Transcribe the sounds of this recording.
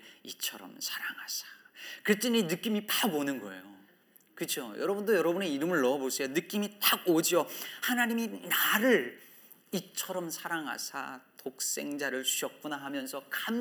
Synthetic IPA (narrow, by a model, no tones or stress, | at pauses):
it͡ɕʰʌɾʌ̰msʰaɾaŋɦasʰḁkɯɾet͈enenɯk͈imipaɡonɯnɡʌe̞̰jo | kɯt͡ɕʰjojʌɾʌbundojʌɾʌbuneiɾɯmɯɭːʌbos͈ʰejonɯk͈imitaɡod͡ʑiohanaɲiminaɾɯɭ | it͡ɕʰʌɾʌmsʰaɾaŋɦa̰sʰa̰tok̚s͈e̞ŋd͡ʑaɾɯɭt͡ɕuɕʰʌk̚k͈unaɦamjʌnsʰʌkam